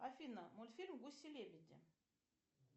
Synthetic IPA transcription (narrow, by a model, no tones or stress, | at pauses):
afinəmolʲfilʲmɡusilevʲid̪ʲḭ